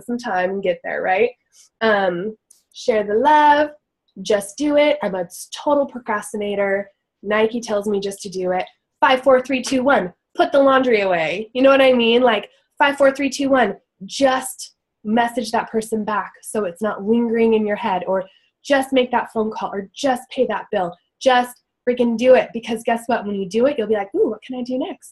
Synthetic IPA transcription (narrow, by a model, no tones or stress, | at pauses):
sʌ̃mtʰãɪ̃mnɡɛt̪̚ðə̰˞ɹaɪt̚ | ʌ̃m | ʃɛɹðəlʌv̥ | d͡ʒʌsd̥ɨɪt̚ãɪ̃mətʰoʊɾl̩ˠpʰɹ̥ɨkʰɹ̥æstɨneɪɾə˞ | naɪkitʰɛlˠzmid͡ʒʌstʰɨdɨɪt̚ | faɪv̥fɔɹθɹitʰʉwʌ̃n | pʰʊt̪̚ðəlɑ̃ndɹiɨweɪjɨñoʊwʌɾaɪmĩnlaɪk | faɪv̥fɔɹθɹitʰʉwʌ̃n | d͡ʒʌst̚ | mɛsɨd͡ʒðət̚pʰɜ˞sɨ̃nbæksoʊɨtsnəʔ̚lɪ̃ŋɡə˞ɪ̃ŋɨ̃njə˞hɛɾə˞ | d͡ʒʌst̚meɪk̚ðətfõʊ̃nkʰɔlˠə˞d͡ʒʌspʰeɪðət̚b̥ɪlˠ | d̥ʒ̥ʌst̚ | fɨkɨ̃ndɨɪt̚b̥ɨkʰʌzɡɛswʌt̚wə̃njɨdɨɪt̚jɨlˠbilaɪkuwʌt̚kʰɨ̃ñaɪdɨnɛkst̚